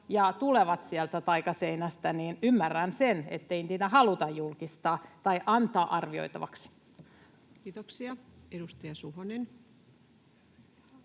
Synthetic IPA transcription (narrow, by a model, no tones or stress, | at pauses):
jɑt̪uleʋɑt̪siælt̪æt̪ɑikɑseinæst̪æniːnymːærːænsenḛt̪ːeint̪iːt̪æɦɑlut̪ɑjjulkist̪ɑːt̪ɑiʔɑnt̪ɑːʔɑrʋio̞̰it̪ɑʋɑ̰ksi̥ | kiːt̪oksiɑedust̪ɑjɑsuhonen